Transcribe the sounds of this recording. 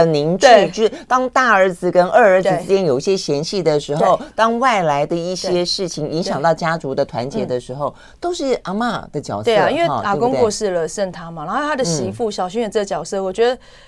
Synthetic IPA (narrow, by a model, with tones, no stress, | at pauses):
ə˩ni˧˥nt͡ɕʰy˥˧t͡ɕjo˧˥˩t̪ɑ˥ŋt̪a˥˩ə˞˧˥d͡zɹ̩˨kə˦˥nə˥˩ə˧˥d͡z̩˨˩t͡sɻ̩˥t͡ɕjɛ˥njo˨˩ʊi˥˩ɕjɛ˥ɕjɛ˧˥nɕi˥˩d̪ə˩ʂɻ̩˧˥xo˧˥˩ʊt̪ɑ˥ŋwa˥˩ɪla˧˥ɪd̪ə˧i˥˩ɕjɛ˥ʂɻ̩˥˩t͡ɕʰi˨˩ŋi˧˥ŋɕjɑ˨ŋt̪ɑ˥˩ʊt͡ɕja˥t͡su˧˥d̪ə˨t̪ʰwa̰˧˦nt͡ɕjɛ˧˥d̪ə˨˧ʂɻ̩˧˥xo˥˩ʊ | t̪o˥ʊʂɻ̩˥˩ʔa˧˥ma˥˧d̪̥ə˨t͡ɕjɑ̰˨˩ʊst̪e˧˩˥a˨i˥nwe˥˩˧a˨˩˧ko˥ŋe˥ɔ˥˧ʂɻ̩˥˩lə˩ʂə˥˩nt̪ʰa˥˩ma˨na˧˥xo˥˧t̪ʰa˥d̪ə˨ɕi˧˥fu˥˩ɕjɑ˨ʊɕy˥ə˨˩t͡sə˥˩˨t͡ɕjɑ˨ʊsɤ˥˩wɔ˨˩t͡ɕɥɛ˧˥d̪ə˧